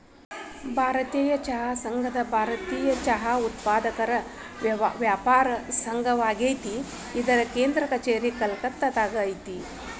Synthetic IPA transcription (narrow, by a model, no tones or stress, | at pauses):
bʱaːɾɐt̪iːjɐt͡ʃɐɦaːsɐŋɡʱɐd̪ɐbʱaːɾɐt̪iːjɐt͡ʃɐɦaut̪paːd̪ɐkɐɾɐ | ʋjaːpaːɾɐsɐŋɡʱɐʋaːɡejt̪iː | d̪ɐɾɐkeːnd̪ɾɐkɐt͡ʃeːɾikɐlkɐt̪ːɐt̪aːɡɐjt̪i